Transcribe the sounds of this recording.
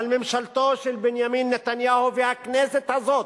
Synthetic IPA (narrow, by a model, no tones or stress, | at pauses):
almɪmʃalt̪oːʃɪlbɪnjamiːnːɪt̪anjaːhʊfiːhakneːsɪt̪hazoːt̪